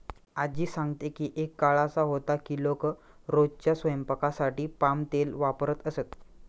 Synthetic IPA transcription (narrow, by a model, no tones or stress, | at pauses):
ad͡ʑiːsãŋɡt̪ekiːʔekːaɭasaɦot̪akiːlok | ɾod͡ʑt͡ɕjasʋəjəmpəkasaʈiːpamt̪elʋapɾət̪əset̪